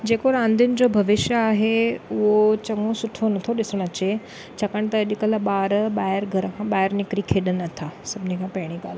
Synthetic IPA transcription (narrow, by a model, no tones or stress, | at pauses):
d͡ʑekoɾãnd̪ʱind͡ʑobʱɐʋɪʃjəaːɦeuʋot͡ɕɐŋɡõsuʈʰonɐt̪ʰoɗɪsɽ̃ət͡ɕe | t͡ɕakəɳt̪əɗikəlaɓaːɾɓaːjəɾɡʱəɾkãɓaːjəɾnikɾikʰeɗənət̪ʰasəbnĩkʰãpɛɽ̃iɡal